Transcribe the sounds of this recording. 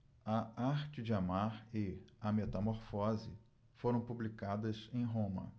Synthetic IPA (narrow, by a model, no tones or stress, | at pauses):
ɐaɾt͡ʃɪd͡ʒɪamaɾɪɐmet̪ɐmoɾfɔzɪ | foɾɐ̃w̃publikad̪ɐsẽj̃ɦõmɐ̰